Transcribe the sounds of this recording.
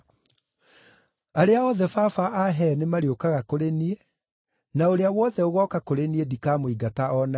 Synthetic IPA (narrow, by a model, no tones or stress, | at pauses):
aɾeaɔðɛfafaʔaɦɛnemaɾiokaɣakoɾenie | naoɾeawɔðɛoɣɔkakoɾeniedikaːmoiɡataɔna